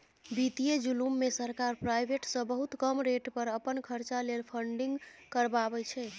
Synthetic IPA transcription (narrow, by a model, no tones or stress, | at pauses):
bit̪ied͡ʒulumːesəɾkaɾpɾajbeʈsə̃bəɦut̪kəmɾeʈpəɾəpənkʰəɾt͡ʃalelpʰəɳɖiŋɡkəɾbabɛt͡ʃʰɛ